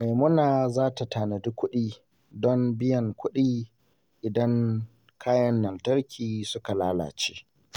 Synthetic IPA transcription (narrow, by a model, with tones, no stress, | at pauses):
me˨mʊ˦naː˨zaː˦ta˨taː˨ne˨dʊ˦kʷːʊ˦ɗiː˦ | dɔ˦mbɪ˦jɐ˨ŋkʷʊ˦ɗiː˦ | ʔɪ˨dɐ˦ŋ | kʰaː˦jɐ˦nːɐ˨ltɐ˦ɾkʲiː˨sʊ˦ka˨laː˦la̰ː˨t͡ʃe̥ː˦